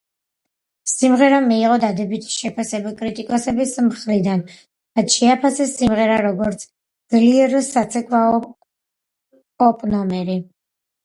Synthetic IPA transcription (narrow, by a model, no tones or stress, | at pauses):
simʁɛɾamiːʁɔd̪ad̪ɛbit̪ʰi̥ʃɛpʰasɛbakʼɾit̪ʼikʼɔsɛbismχɾid̪an | ɾat̪ʃɛapʰasɛsimʁɛɾaɾɔɡɔɾt̪sʰ | d̪zliɛɾsat̪sʰɛkʼwa | ɔpʼnɔmɛɾi